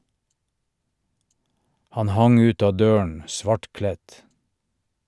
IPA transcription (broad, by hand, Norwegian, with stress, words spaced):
ˈhɑn ˈhɑŋ ˈʉːt ˈɑː ˈdøːən ˈsʋɑʈˌklɛt